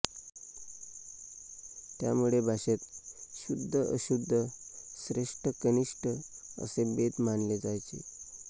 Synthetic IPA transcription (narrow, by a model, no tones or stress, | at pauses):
t̪ja̰muɭebʱaɕet̪ɕud̪ʱːəʔəɕud̪ʱːəsɾeʂʈəkəniʂʈə | ə̰sebet̪manled͡zajt͡ɕḛ